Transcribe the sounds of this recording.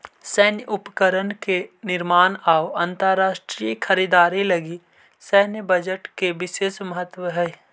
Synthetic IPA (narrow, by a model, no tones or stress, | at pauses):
sɛɦnjʔʊpkəɾənkenɪɾmaːnaːwə̃nt̪əɾaːʃʈɾikʰəɾiːd̪aːɾilɐɡi | sɛɦnjəbəd͡ʒəʈkeʋɪʃeːʃməɦət̪ːwəɦɛː